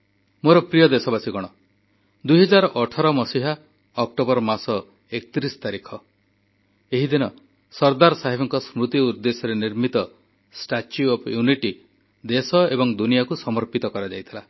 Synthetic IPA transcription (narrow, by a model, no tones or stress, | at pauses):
moɾɔpɾijɔd̪esɔbasiɡɔɽ̃ɔ | d̪ujɦɔd͡ʒaɾɔʔɔʈʰaɾɔmɔsiɦa | ɔk̚ʈobɔɾɔmasɔ | ekt̪ɾisɔ̥t̪aɾikʰɔ | eɦid̪inɔ | sɔɾd̪aɾɔsaɦibʰɔŋkɔsmɾut̪iuɾd̪esɔɾeniɾmit̪ɔ | sʈat͡ʃuɔpʰjuniʈi | d̪esɔebɔŋd̪unijakusɔmɔɾpit̪ɔkɔɾad͡ʒajt̪ʰila